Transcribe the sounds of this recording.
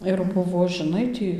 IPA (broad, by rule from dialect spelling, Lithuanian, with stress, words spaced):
ɪr ˈbʊʋoː ʒʲɪˈnɐɪ tʲiː